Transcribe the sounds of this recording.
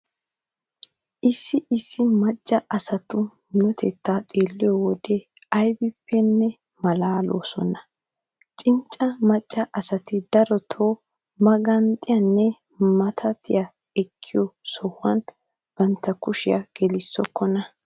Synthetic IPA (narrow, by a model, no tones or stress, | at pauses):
ʔɪsːɪʔɪsːɪmɐt͡ʃʼːɐʔɐsɐt̪ʊ | nʊt̪ʰɛt̪ːaːt̪ʼeːlːɪjɔwɔd̪e | ɐjbɪpːɛnːɛ | mɐlaːlʔo̰ːsɔ̰nɐ | t͡ʃʼɪnt͡ʃʼːɐmɐt͡ʃʼːɐʔɐsɐt̪ɪd̪ɐɾɔt̪ʰoː | mɐɡɐnt̪ʼːɪjɐnːɛ | mɐt̪ʰɐt̪ɪjɐ | ɛkʰːɪjɔsɔhːɐn | b̥ɐnt̪ːɐkʊʃɪjɐ̰ɡ̥ɛlɪsːɔkʰːɔnɐ